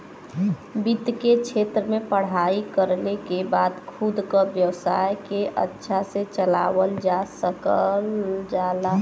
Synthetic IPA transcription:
bid̪ket͡ʃʰet̪ɾəmẽpəɽ̤aikəɾlekebad̪kʰud̪kəbjəwsa̰jkeʔə̰tːʃʰaset͡ʃəla̰wəld͡ʒasəkəld͡ʒala

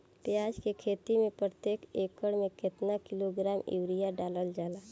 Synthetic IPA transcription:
pjaːd͡ʒkekʰeːt̪imẽpɾət̪eːkeːkːəɽmẽkɪt̪nakɪloɡɾaːmɪ̰wɾijaɖaːləld͡ʒaːlaː

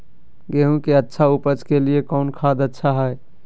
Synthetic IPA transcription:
ɡeɦũkeətːʃʰaupət͡ʃkeliekɔʊnkʰad̪ətːʃʰaɦɛɛ

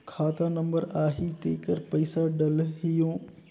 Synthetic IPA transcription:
kʰaːt̪anɐ̃mbəɾaːɦit̪eːkəɾpɐɪsaɖɐlɦɪjõː

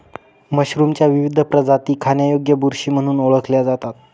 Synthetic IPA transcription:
məɕɾumt͡ɕjaʋiʋid̪ʱəpɾəd͡zat̪iːkʰanjajoɡjəbuɾɕiːm̤əɽ̃uːnoɭəkʰljad͡zat̪at̪̚

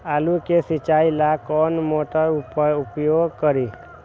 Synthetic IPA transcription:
aːlukesɪt͡ʃaːilakɔːnmoːʈaʊpʊpjoːɡkəɾi

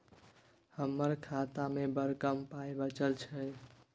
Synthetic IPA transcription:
həmːəɾkʰat̪amebəɾkəmpajbət͡ʃəlt͡ʃʰə

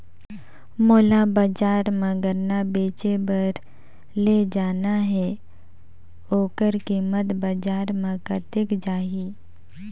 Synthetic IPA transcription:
moːlabaːd͡ʒaːɾmə̃ɡəɾnabeːt͡ʃebəɾ | led͡ʒaːnaɦɛ | oːkəɾkimət̪bad͡ʒaːɾmãkat̪ɪkd͡ʒaːɦiː

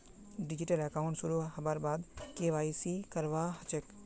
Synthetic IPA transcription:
ɖɪd͡ʒɪʈəlɛkaːʊ̃ɳʈsʊɾuɦɐbaɾbaːd̪keːʋaːisikɐɾʋaːɦɐt͡ʃek

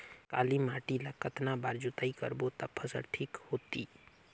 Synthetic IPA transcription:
ka̰ːlimaːʈilakət̪nabaːɾd͡ʒut̪aikə̰ɾbot̪əpʰːəsə̰ɽʈʰiːkhoːt̪i

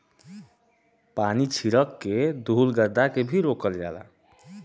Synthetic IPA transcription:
panit͡ʃʰiɾəkːed̪ʱulɡəd̪akebʱiɾokəld͡ʒa̰la̰

